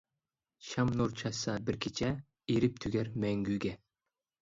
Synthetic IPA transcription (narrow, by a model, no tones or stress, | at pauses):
ʃɑmnuɾt͡ʃʰɑsɑbɪɾkʲʰit͡ʃʰɛ | eɾɪp̚t̪ʰyɡʲɛɾmɛŋɡʲyɡʲɛ